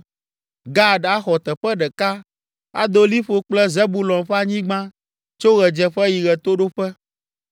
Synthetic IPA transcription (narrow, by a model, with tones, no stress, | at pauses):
ɡa˦ɖa˦xɔ˨t̪ɛ˨ɸɛ˦ɖɛ˨ka˦ | a̰˦d̪o˦li˦ɸo˨k͡plɛ˦ze˦bu˦lɔ̃˨mɸɛ˦a˨ɲĩ˦ɡ͡bã˦ | t͡ʃo˦ɣɛ˨d͡ʒɛ˨ɸɛ˦ji˨ɣɛ˨t̪o˦ɖo˦ɸɛ˦